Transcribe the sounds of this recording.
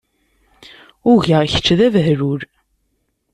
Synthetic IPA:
ʊʝəʁçə̥t͡ʃːðævɦɾuɾ

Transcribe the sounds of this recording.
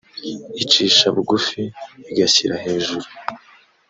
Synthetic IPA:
it͡ʃiːʃaβuɡufiːɡaçiɾahe̞ːʒuɾu

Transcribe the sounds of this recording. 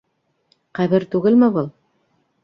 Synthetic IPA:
qæβɘɾt̪ʉɡɘlmɘbɤlˠ

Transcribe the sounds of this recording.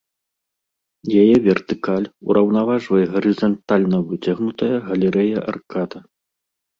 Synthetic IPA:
jajɛvʲɛrt̪ɨkalʲṵɾɐwnavaʐvɐjɛɣɐɾɨzɐnt̪alʲnɐvɨt͡sʲaɣnut̪ɐjɐɣɐlʲɛɾɛjɐʔa̰rkat̪ɐ

